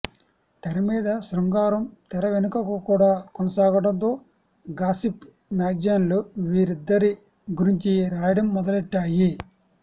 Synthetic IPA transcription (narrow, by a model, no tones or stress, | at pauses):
t̪ɛɾɐmiːd̪ɐsɾɐŋɡaːɾɐmt̪ɛɾɐʋenukɐkukuːɽaːkɔnɐsaːɡɐʈɐnt̪o̞ː | ɡaːsip | naːɡd͡ʒɐnluʋiːɾid̪ːɐɾi | ɡuɾiɲt͡ʃiɾaːjɐɽɐmːɔd̪ɐliʈːaːji